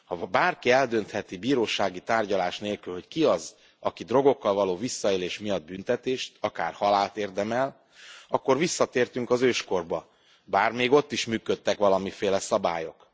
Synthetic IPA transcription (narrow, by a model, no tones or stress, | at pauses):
hɒbaːrkiɛld̪ønt̪hɛt̪ibiːɾoːʃaːɡit̪aːrɟɒlaːʃneːlkylho̞ckiɒz | ɒkid̪ro̞ɡo̞kːɒlvɒloːvisːɒeːleːʃmijɒd̪̚bynt̪ɛt̪eːʃt̪ɒka̰ːrhɒlaːlt̪eːrd̪ɛmɛl | ɒkːo̞rvisːɒt̪eːrt̪yŋkɒzøːʃko̞rbɒ | baːrmeːɡo̞t̪ːiʃmyːkøt̪ːɛkʋɒlɒmifeːlɛsɒba̰ːjo̞k